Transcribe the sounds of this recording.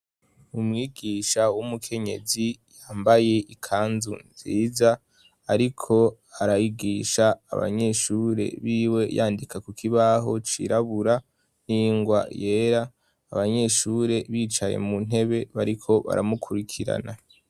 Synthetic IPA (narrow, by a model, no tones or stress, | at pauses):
umŋiːɡiːʃawumukʰe̞ɲe̞̰zijaːmbaje̞ʔikʰaːnzunziːzaː | ɾikʰo̞ | aɾajiɡiːʃa̰ːβa̰ɲe̞ʃuːɾe̞̰βiːwe̞jaːndikakukʰiβaɦo̞t͡ʃḭɾaβuɾa | niːŋɡwa̰je̞ːɾaː | βaɲe̞ʃuːɾe̞βiːt͡ʃajḛmun̥e̞βe̞βaɾikʰo̞βa̰ɾamukʰuɾikʰiɾa̰na